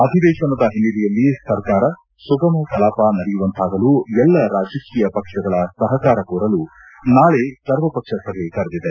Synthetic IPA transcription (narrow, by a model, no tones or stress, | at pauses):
ɐd̪ʱid̪ɛːʃɐnɐd̪ɐɦinilijɐlːisɐɾkaːɾɐ | suɡɐmɐk̪ɐlaːpanɐɽijuʋɐnt̪aːɡɐluɛlːɐɾaːd͡ʒɐkiːjɐpɐkʂɐɡɐɭɐsɐɦɐkaːɾɐkuːɾɐlu | naːɭesɐɾʋɐpɐkʂɐsɐɡʱek̪ɐɾɐd̪id̪e